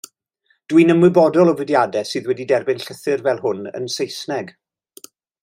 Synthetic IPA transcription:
d̥winəmwɨbɔdɔlˠɔvədjadɛsɨːðwɛdidɛrbɪnɬəθɪrvɛlˠhʊnə̰nsejsnɛɡ

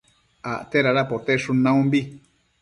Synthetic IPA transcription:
aʔt̪eɾaɾapot̪eʂũnãũmbi

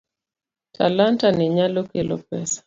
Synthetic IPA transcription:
tʰa̰lantanɛɲalokelɔ̰pɛsḁ

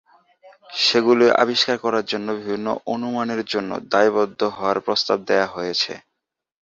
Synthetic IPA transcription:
ʃeɡuloʔa̰biʃkaɾkɔɾaɾd͡ʑonːobibʱinːo̰ʔonumaneɾd͡ʑonːo̰d̪ajbɔd̪ʱːoɦɔoaɾpɾost̪ab̚d̪eaɦojet͡ɕʰḛ

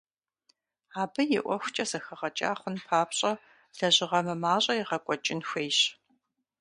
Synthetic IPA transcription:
aːbɨjɪʔʷɔxʷʊt͡ʃʼɐsɐxɐʁɐt͡ʃʼa̰ːχʷʊnpʰaːpɕʼɐ | ɮ̥ɐʑɪʁɐmɨmaːɕʼɐjɪʁɐkʷʼɔt͡ʃʼɪnxʷeːjɕ

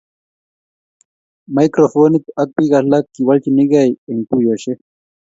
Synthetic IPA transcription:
majkɾofoːnit̪ɐk̚piɡalakːiwɐlt͡ʃiniɡajeŋpujoɕe

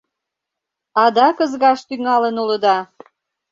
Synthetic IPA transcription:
ɑd̪ɑkə̆zɣɑʃt̪yŋɑlənuləd̪ɑ

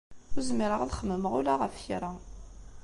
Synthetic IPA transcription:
ʊɾzmːiɾəʁaðχəmːəməʁʊlaʁəfçɾˤɑ

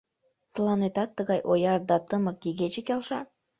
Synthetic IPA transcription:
t̪ə̆lˠɑnet̪ɑt̪ːəɣɑjʔojɑrd̪ɑt̪əməkjiɣet͡ɕekʲɑlʃɑ

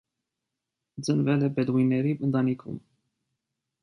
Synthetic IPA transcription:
d͡zənvɛlɛbɛd̪ʁujnːɛɾiənt̪ɑnikʰṵm

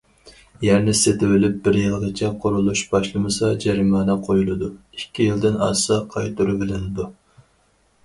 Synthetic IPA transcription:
jɛɾnɪset̪ɪwɪlɪp̚bɪɾjɨlˠʁət͡ʃʰɛqʰoɾulˠuʃb̥ɑʃlˠɨmɨsɑd͡ʒɛɾimɑːnɨqʰojulˠɨd̪u | ikʲʰːijɪlˠd̪ɪnɑsɑqʰɑjt̪uɾubɪlɪnɪd̪u

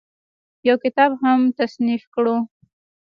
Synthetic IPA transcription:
jawkɪt̪ɑbɦamt̪asnifkɽo

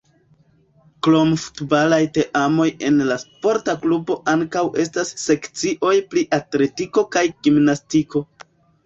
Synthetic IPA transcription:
klo̞mfu̥tbalajte̞ʔamo̞je̞nlaspo̞ɾtaklubo̞ʔaŋkawʔe̞stasːe̞kt͡siʔo̞jpliʔatle̞tiko̞kajɡ̥imnastiko̞

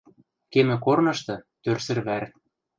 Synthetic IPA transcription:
kemɘ̆kornɤ̆ʃt̪ɤ̆t̪ørsɘ̆rβær

